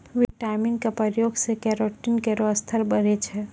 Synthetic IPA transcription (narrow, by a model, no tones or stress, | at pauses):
ʋiʈaɪmiŋkapəɾjoɡsekɛɾoʈːinkeɾoəst̪ʰəɾbəɾet͡ʃʰɛ